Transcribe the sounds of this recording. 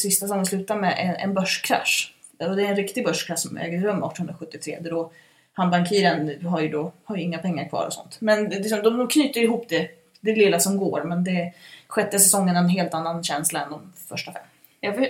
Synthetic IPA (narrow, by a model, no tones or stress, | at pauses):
sɪst̪asɛsɔŋːənslʉ̟ːt̪amɛʔɛʔɛ̰nbœʂkʰɾa̰ʂ | ɔd̪ɛæɾɛnɾɪkt̪ɪɡbœʂkʰɾæʂsɔmɛ̰ːɡəɾœmːɑ̰ːʈ̪ʰːənhɵnɾaɧɵt̪ːɪt̪ʰɾḛːd̪ɛd̪ɔ | hanbaŋkʰiːɾənɦaɾjɵd̪ɔhaɾjɵɪŋːapʰɛŋːaɾkʰvɑ̰ːɾɔ̰sɔ̰nt̪mɛnlɪks̬ɔmd̪ɔd̪ɔkʰnyːt̪əɾɪhuːpd̪ɛ | d̪ɛlɪlːasɔmɡoːɾmɛnd̪ɛɧɛt̪ːəsɛsɔŋːənɛnɦeːlt̪anːanɕɛnslaɛnd̪ɔmfœʂʈafɛ̰mː | j